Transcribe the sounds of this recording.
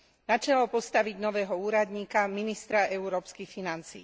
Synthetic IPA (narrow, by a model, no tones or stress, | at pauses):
nat͡ʃɛlɔpɔst̪aʋiɟnɔʋɛːɦɔuːɾad̪ɲiːkaminist̪ɾaɛuɾɔːpskixfinant͡sḭː